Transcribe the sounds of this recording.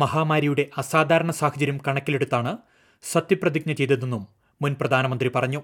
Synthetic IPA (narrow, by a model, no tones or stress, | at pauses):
mɐɦaːmaːɾijuɽe̞ʔɐsaːd̪ʱaːɾɐɳɐsaːhɐd͡ʑɐɾjumkɐɳɐkʲːile̞ɽut̪ːaːɳɨ | sɐt̪ːiprɐd̪ik̚ɲɐt͡ɕe̞jt̪inːenːumː | unprɐd̪ʱaːnɐmɐnd̪ripɐrɐɲːu